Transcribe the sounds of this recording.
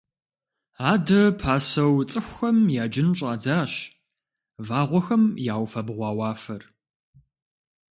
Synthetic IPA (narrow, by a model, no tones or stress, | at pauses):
aːdɐpʰaːsɐwt͡sʼɨxʷɐmjaːd͡ʒɪnɕʼaːd͡zaːɕ | vaːʁʷɔxɐmjaːwfɐbʁʷɑːwɑːfɐr